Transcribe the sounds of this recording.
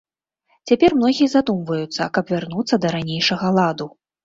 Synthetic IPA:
t͡sʲapʲɛrmnɔɣʲijɐzad̪umvɐjut̪sːɐ̰kɐpvʲarnut̪sːɐd̪ɐɾanʲejʂɐɣɐlˠad̪u

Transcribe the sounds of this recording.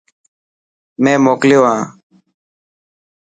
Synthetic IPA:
mẽːmoːkljoːɦãː

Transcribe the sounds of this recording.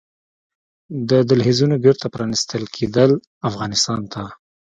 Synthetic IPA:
d̪əd̪alɦizunobeɾt̪apɾɑnɪst̪əlkʰed̪əl | afɣɑnɪst̪ɑnt̪a

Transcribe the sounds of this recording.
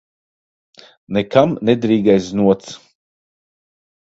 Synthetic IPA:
nekamnɛd̪ɾiːɡajsnuɔt̪s

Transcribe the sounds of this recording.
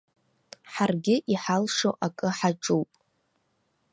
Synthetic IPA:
ħarɡʲɪʔiħalʂoʔakʼɨħaʈ͡ʂʼuwpʼ

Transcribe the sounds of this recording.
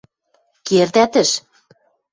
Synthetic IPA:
kerd̪æt̪ɘ̆ʃ

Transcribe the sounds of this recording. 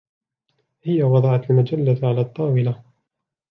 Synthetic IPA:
hɪjawɑd̪ˤɑʕɑt̪lmad͡ʒalːaʕalaːt̪ˤːɑːwɪla

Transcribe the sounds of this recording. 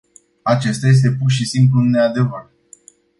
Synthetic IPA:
at͡ʃe̞st̪aje̞s̬t̪e̞purʃisimplunead̪e̞vər

